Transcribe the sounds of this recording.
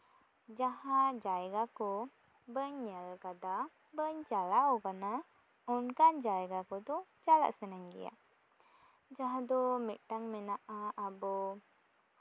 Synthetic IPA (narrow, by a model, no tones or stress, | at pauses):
d͡ʒaɦad͡ʒajɡaku | bəɲəlkad̪a | bəɲd͡ʒalaukana | unkand͡ʒajɡakut̪ud͡ʒala̰ʔsənaɲɡḭja̰ʔ | d͡ʒaɦad̪umiʔʈaŋmɛnaʔaʔabɔ